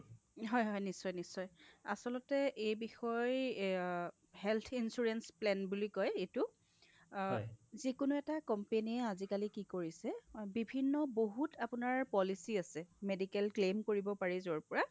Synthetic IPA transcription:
ɦɔjɦɔjnisɔjnisːɔja̰sɔlɔtɛʔejbixɔj | hɛlt̪ʰinsuɹɛnsplɛnbulikɔjetʊ | zikʊnuɛtakɔmpeniɛazikalikikoɹisɛbibʱinːɔboɦutʰapʊnaɹpɔlisiasɛmedikɛlklemkoɹibɔpaɹizɔɹpɔɹa

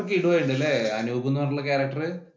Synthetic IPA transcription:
k̬ːiiɽuʋoːjuɳɖɐlːeɐnubɐbunːuʋɐrlːɐkaːɾɐk̚ʈɐrɨ

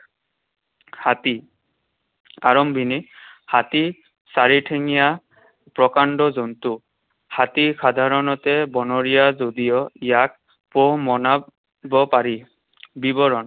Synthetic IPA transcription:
hat̪i | aɹɔmbʱinihati | saɹiʈʰeŋija | pɹɔkandɔzɔntu | hat̪ikʰad̪ʱaɹɔnɔtɛbɔnɔɹijazodijɔijak̚ | pɔɦmɔna | bɔpaɹi | bibɔɹɔn

